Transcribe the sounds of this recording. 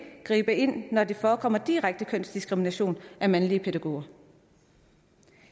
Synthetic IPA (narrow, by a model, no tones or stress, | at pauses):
ɡ̥ʁḭːb̥əe̝n̰ːɒd̥e̝fɒːkʰɒ̽m̰ɐd̥iʁaɡ̥̚d̥əkʰøn̰sd̥isɡ̥ʁiminæɕo̝̰ːnʔæmænliəpʰed̥æɡ̥o̝̰ːɐ